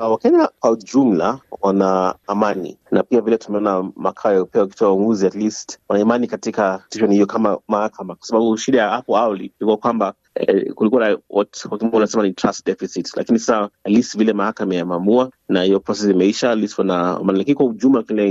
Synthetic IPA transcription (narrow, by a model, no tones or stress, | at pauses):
wakɛɲakwaud͡ʒum̩la̰wanaːmanḭnapiavilɛtumɛɔnama̰kʰaɔjaupɛwaki̥twauŋɡuziatlistwanaimanikatikatiʃɔnihijɔkamamahakʰamakwḁsaɓaɓuʃiɗajahapɔawalḭikuwakwamba | ɛ̰kulikuwaawɔtkwakiɛunasɛmanitɾastdɛfisitla̰kinisasaatlistvilɛmahakamajamamua | nahijɔpɾɔsɛsiimɛiʃatlistwanaa̰manilakinikwaud͡ʒum̩lakilɛ